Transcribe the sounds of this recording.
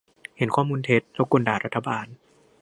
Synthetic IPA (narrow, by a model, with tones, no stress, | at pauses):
he˩˦nkʰɔː˥˩muː˧nt̪ʰe˦˥t̪̚ɾo˦˥kːo˧ndaː˨˩ɾa˦˥t̪ʰːa˧baː˧n